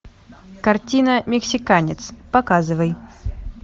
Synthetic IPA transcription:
kart͡sʲinɐmʲɛksʲikanʲɛt̪spakazɨvəj

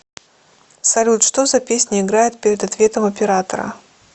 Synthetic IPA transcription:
sɐlʲut̪ʂt̪ozɐpʲesʲnʲɪɪɡɾajɪt̪̚pʲɪɾʲɪd̪ɐt̪vʲe̞t̪əmɐpʲɪɾat̪ə̰ɾə̰

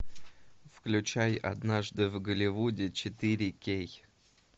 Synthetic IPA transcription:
fklʲʉt͡ɕæjɐ̰d̪naʐd̪ɨvɡəlʲɪvudʲɪt͡ɕɪt̪ɨɾʲɪkʲej

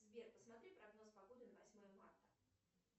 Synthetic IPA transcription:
zbʲerpəsmɐt̪ɾʲipɾɐɡno̞spɐbod̪ɨnəvɐsʲmo̞jəma̰rt̪ə

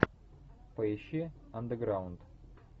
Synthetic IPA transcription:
pɐɪɕi | ɐnd̪əɡɾaʊnt̪

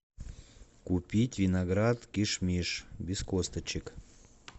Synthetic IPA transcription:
kupʲitʲvʲinaɡɾat̪kʲiʃmʲiʂbʲiskost̪ət͡ɕɪk

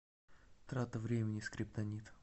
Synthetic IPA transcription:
t̪ɾat̪əvɾʲemʲɪnʲɪskɾʲɪpt̪ɐnʲit̪

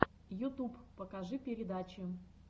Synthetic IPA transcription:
jʊt̪uppəkaʐɨpʲɪɾʲɪd̪at͡ɕɪ

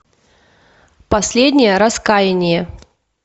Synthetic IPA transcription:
pɐsʲlʲedʲnʲɪjəɾɐskajɪnʲɪjə

